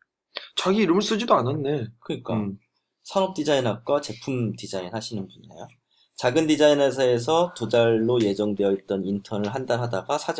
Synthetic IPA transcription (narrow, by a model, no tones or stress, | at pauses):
t͡ɕaɡiːɾɯmɯɭs͈ud͡ʑidoananːe̞kɯɲik͈a | sʰaŋʌp̚t͈id͡ʑainɦak͈wat͡ɕe̞pʰumtid͡ʑainhaɕʰinɯnbuɲinḛjo | t͡ɕaɡɯndid͡ʑainesʰaes̬ʰʌtod͡ʑaɭːoje̞d͡ʑʌŋdwe̞jʌit͈ʌnintʰʌnɯɭɦandaɭɦadaɡasʰad͡ʑ